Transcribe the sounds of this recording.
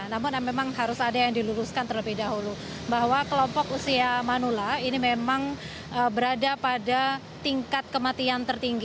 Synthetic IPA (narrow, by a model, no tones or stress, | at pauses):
namʊnmemaŋɦaɾʊsadajaŋdiluɾʊskant̪əɾəpidaɦulu | baɦwakəlɔmpɔkusiamanulainimemaŋ | əbəɾadapada | t̪iŋkat̪̚kəmat̪iant̪ərt̪iŋɡi